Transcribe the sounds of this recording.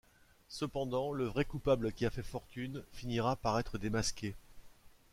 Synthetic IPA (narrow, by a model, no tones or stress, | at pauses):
səpɑ̃d̪ɑ̃ləvʁɛkupabləkʲiafɛfɔʁt̪ynfiniʁapaʁɛt̪χəd̪emaskʲe